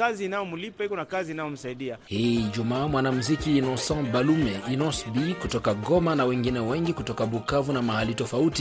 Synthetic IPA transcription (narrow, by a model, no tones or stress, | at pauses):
kaziːnajɔmulipahikɔnakaziːnajɔm̩saiɗiahid͡ʒumaːmwanam̩zikiːnɔ̃sɔ̃balumɛinɔsbikutɔkaɡɔmanawɛŋɡinɛwɛŋɡikutɔkaɓukavunamahalitɔfauti